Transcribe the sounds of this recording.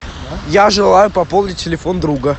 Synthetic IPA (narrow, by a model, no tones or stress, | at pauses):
jaʐɨlˠajʊpɐpolˠdʲɪtʲːɪlʲɪfond̪ɾuɡə